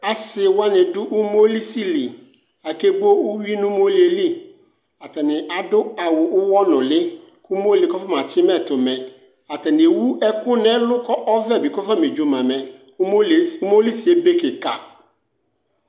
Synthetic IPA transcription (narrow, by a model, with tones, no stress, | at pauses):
a˨sɪ˨wa˦nɪ̃˨dʊ˦ʔʊ˦mo˦li˦si˦li˨ | a˨ke˦ɡ͡bo˦ʊ˦ɥi˦nʊ̃˦mo˦li˦e˨li˦ | a˨tɛ˨nɪ̃˨ʔa˨dʊ˦a˨wʊ˨ʔʊ˦wɔ˦nʊ̃˨lɪ˦ | kʊ˦mo˦li˨kɔ˦fɔ˦mã˨t͡ʃʰɪ˦mɛ˦tʊ˨mɛ̃˨ | a˨tɛ˨nɪ˨wu˦ɛ˦kʊ˦nɛ̃˦lʊ˦kɔ˦ʔɔ˦vɛ˦˨bɪ˨kɔ˦fa˦me˨d͡ʒo˦mã˨mɛ̃˨˦˨ | ʊ˦mo˦li˦si˨e˦be˦kɪ˨ka˨